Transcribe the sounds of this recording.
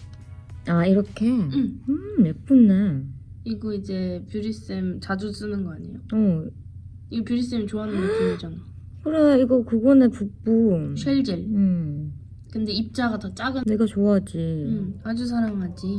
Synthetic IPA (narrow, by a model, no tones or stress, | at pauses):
aiɾʌkʰe̞ɯmɯmep͈unːe | iɡoid͡ʑe̞pjuɾis͈ɯmt͡ɕad͡ʑus͈ɯnɯnɡʌaɲijoʌ | iɡʌpjuɾis͈ɯmit͡ɕoanɯnɡokɯnad͡ʑana | kɯɾeiɡʌkɯɡʌnepuk̚p͈uɕʰjʌɭd͡ʑiɭɯ | kɯnde̞ip̚t͡ɕ͈aɡatʌt͡ɕ͈aɡɯneɡʌt͡ɕoad͡ʑiad͡ʑus̬ʰaɾaŋɦad͡ʑi